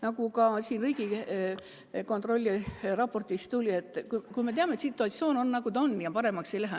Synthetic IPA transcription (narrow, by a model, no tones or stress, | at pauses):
nɑkukɑsiːnriiɡi | ko̞nt̪ˑro̞lʲːirɑpːo̞rt̪ist̪ulʲie̞t̪ːˑkukujme̞t̪e̞ɑmet̪sit̪ːˑuɑt̪sio̞ːno̞nːɑkud̪onːjɑpɑɾe̞mɑkse̞jlæɦæ